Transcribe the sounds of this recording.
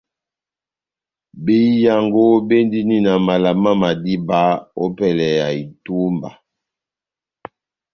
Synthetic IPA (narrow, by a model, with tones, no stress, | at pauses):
bi˦ja˨ŋɡo˦be˦ndi˦ni˦na˨ma˨la˨ma˦ma˨di˦ba˦o˦pɛ˨lɛ˨ja˨i˨tu˦mba˨